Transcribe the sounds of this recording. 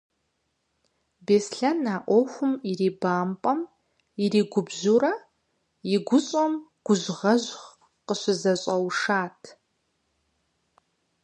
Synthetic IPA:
beːsɬɐnaːʔʷoxʷʊmiriːbaːmpʼɐm | iriːɡʷʊbzuɾɐ | jiɡʷʊɕʼomɡ̥ʷʊʑʁɐʑχ | qəɕʷɪzɐɕʼɐwʂaːtʰ

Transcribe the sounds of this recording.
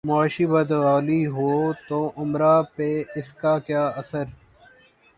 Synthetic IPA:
mʊaːʃiːbəd̪ʋaːliːɦoːt̪oːʔʊmɾaːpeːɪskaːkjaːəsəɾ

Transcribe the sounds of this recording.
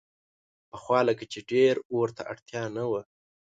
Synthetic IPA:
pəxwɑləkat͡ʃeɖeɾoɾt̪a̰ʔaɽt̪jɑnawə

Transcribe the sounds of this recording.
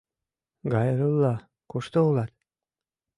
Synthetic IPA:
ɡɑjɾulːɑ | kuʃt̪oulˠɑt̪

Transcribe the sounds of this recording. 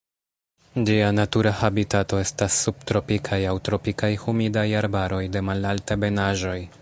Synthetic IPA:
d͡ʒianatuɾahabitato̞e̞stasːub̚tɾo̞pikʰajawtɾo̞pikajhumidajaɾbaɾo̞jde̞malaltebe̞naʒo̞j

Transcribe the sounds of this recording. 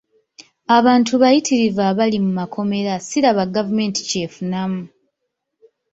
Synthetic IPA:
aβaːntuβajitʰiɾivaβalimumakʰo̞me̞ɾasiɾaβaɡavume̞ːnti̥ce̞ːfunamu

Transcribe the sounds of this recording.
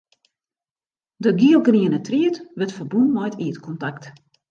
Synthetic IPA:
dəɡiəlˠɡriənətriətʋɛtfərbunmɔjtʰiətkʰɔntakt

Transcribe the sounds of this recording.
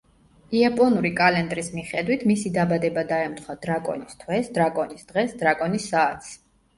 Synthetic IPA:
iapʼɔnuɾikʼalɛnd̪ʼɾismiχɛd̪wit̪ʰmisid̪abad̪ɛbad̪aɛmt̪χʰwad̪ɾakʼɔ̰nist̪ʰwɛsd̪ɾakʼɔnisd̪̥ʁɛsd̪ɾakʼɔnisːaːt̪ʰs

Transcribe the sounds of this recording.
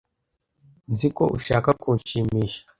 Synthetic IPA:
nziko̞̰ʔṵʃaːkakuːnʃimiːʃḁ

